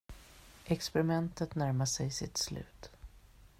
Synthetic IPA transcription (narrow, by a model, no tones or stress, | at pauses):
ʔɛkspɛɾɪmɛnt̪ət̪næɾmaʂɛjsɪt̪slʉ̟̰ːt̪